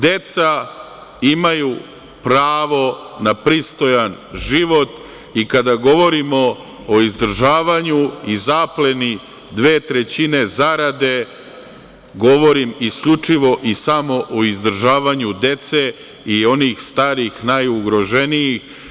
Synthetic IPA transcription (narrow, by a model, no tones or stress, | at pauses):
d̪e̞t̪sa | imaju | pɾaːʋo̞ | napɾist̪o̞janʒiʋo̞t̪ | ikad̪aɡo̞ʋo̞ɾimo̞ | oizd̪r̩ʒaːʋaɲuizaple̞ni | d̪ʋe̞ːt̪ɾe̞t͡ɕine̞zaɾad̪e̞ | ɡo̞ʋo̞ɾimiskʎut͡ʂiʋo̞ʔisamo̞ʔoizd̪ɾ̩ʒaːʋaɲud̪e̞t̪se | io̞nixst̪aːɾixnajuɡɾo̞ʒe̞nijix